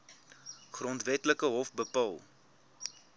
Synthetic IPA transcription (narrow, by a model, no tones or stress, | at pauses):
χrɔntvɛtləkəɦɔfbəpɐlˠ